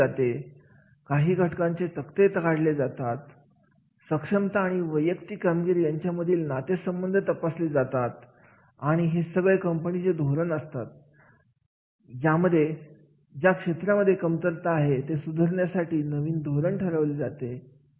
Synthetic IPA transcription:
at̪e | kaɦiːɡʱəʈkãɲt͡set̪əkt̪et̪əɡaɽled͡zat̪at̪ | səkʂəmt̪aːɽ̃iʋəjəkt̪iːkamɡiɾiːjaɲt͡ɕjaməd̪ʱiːlnat̪esəmbənd̪ʱət̪əpasled͡zat̪at̪ | aɽ̃iɦesəɡɭekəmpəñit͡sed̪ʱoɾəɳəst̪at̪̚ | d͡ʑjaməd̪ʱːje | d͡ʑjakʂet̪ɾaməd̪ʱjekəmt̪əɾt̪aːɦet̪esud̪ʱəɾɳjasaʈiːnəʋiːnd̪ʱoɾəɳʈʰəɾəʋled͡zat̪e

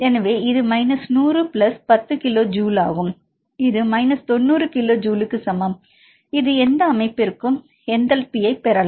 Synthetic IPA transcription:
ɛnɐʋeːɪðɯmɐɪnɐsnuːrɯpɪlɐspɐt̪ːɯkɪloːd͡ʒuːla̰ːɣɯm | ɪðɯmɐɪnɐst̪ɔnːuːɾɯkɪloːd͡ʒuːlɯkːɯsɐmɐm | ɪðɯɛnd̪ɐːmɐɪpːɪɾɯkːɯm | ɛnd̪ɐlpɪjɐɪpɛɾɐl

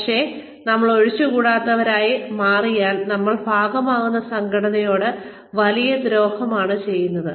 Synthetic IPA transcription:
kʂe̞ | nɐmːɐɭo̞ɻit͡ɕːukuːɽaːt̪ːɐʋɐɾaːjimaːrijaːlnɐmːɐɭbʱaːɡɐmaːɣunːɐsɐŋɡʱɐɽɐnɐjo̞ːɽɨ | ʋɐlijɐd̪ɾo̞ːhɐmaːɳɨt͡ɕe̞jːunːɐðɨ

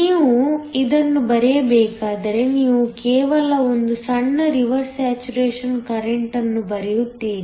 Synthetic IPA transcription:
iːʋuid̪ɐnːubɐɾɛjɐbɛːkaːd̪ɐɾe̞niːʋukɛːʋɐlɐo̞nd̪usɐɳːɐɾiʋɐɾsæːt͡ʃuɾeːʂɐnkɐɾeɳʈɐnːubɐɾijut̪ːiːni

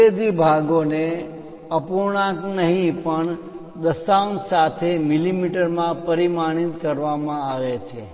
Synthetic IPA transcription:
ed̪ibʱaɡone | əpuɽ̃ãknəɦĩpəɳ | d̪əsawnsat̪ʰemilimiʈəɾmãpəɾimaɽ̃it̪kəɾʋamãaʋet͡ʃʰe

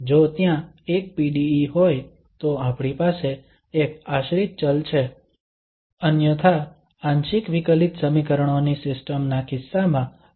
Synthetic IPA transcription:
d͡ʒot̪jã | ek̚piɖiːɦoj | t̪oapɽ̃ipaseː | kaʃɾit̪̚t͡ʃəlt͡ʃʰe | ənjət̪ʰa | ãnʃikʋikəlit̪səmikəɾəɳonisɪsʈəmnakɪsːamã

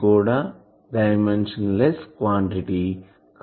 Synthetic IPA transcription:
kuːɽaː | ɖɐjmenʂɐnleskʋaːɳʈiʈi | kʰ

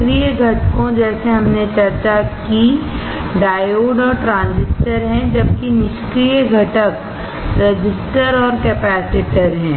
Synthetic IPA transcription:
kɾijəɡʱɐʈkõd͡ʒɛːseɦɐmnet͡ʃɐɾt͡ʃaki | ɖaːjoːɖɔːɾʈɾãːnzɪsʈəɾɦɛ̃d͡ʒɐb̚kinɪʃkɾijəɡʱɐʈək | ɾɐd͡ʒɪsʈəɾɔːɾkɛːpɛːsɪʈəɾɦɛ̃ː

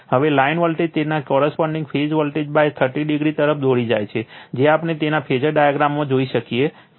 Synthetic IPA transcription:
həʋelainʋəlʈed͡ʒt̪enakɔɾəspəɳɖĩŋɡpʰed͡ʒʋəlʈed͡ʒbajt̪ʰəʈiɖiɡɾit̪əɾəpfd̪ʱoɽid͡ʒa̰jt͡ʃʰed͡ʒeapɳet̪enapʰed͡ʒəɾɖajaɡɾamːãd͡ʒoiʃəkie

